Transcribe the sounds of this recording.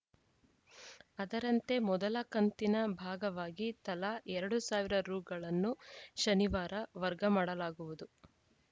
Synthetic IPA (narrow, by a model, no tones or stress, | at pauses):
ɐd̪ɐɾɐnt̪e̞mɔd̪ɐlɐkɐnt̪inɐbʱaːɡɐʋaːɡit̪ɐlɐʔɛɾɐɽusaːʋiɾɐɾuːɡɐɭɐnːuʃɐniʋaːɾɐʋɐɾɡɐmaːɽɐlaːɡuʋud̪u